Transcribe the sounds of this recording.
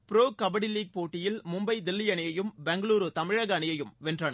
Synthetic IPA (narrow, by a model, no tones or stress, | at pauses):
pɪɾoːkɐbɐɽɪliːɡ̚poːʈːɪjɪlmʊmbɐɪd̪ɪlːɪjɐɳɪjɐjɯmbɛŋɡɐɭuːɾɯt̪ɐmɪɻɐɣɐɳɪjɐjɯmʋɛndrɐnɐ